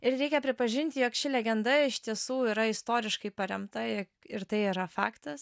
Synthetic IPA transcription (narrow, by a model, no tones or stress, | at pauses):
ɪɾɾʲɛɪkʲɛpʲɾʲɪpɐʒʲɪnʲt̪ʲɪjoːkʃʲɪlʲɛɡʲɛnd̪ɐɪʃʲt̪ʲiɛsuːiːɾɐɪst̪oːɾʲɪʃkɐɪpɐɾʲɛmt̪ɐɪ | ɪɾt̪ɐɪiɾɐfɑ̰ːkt̪ɐs